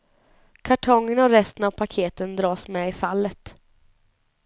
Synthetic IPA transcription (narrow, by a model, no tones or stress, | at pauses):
kʰaʈʰɔŋːənɔɾɛst̪ənavpʰakʰeːt̪ənd̪ɾɑːsmɛɪfalːət̪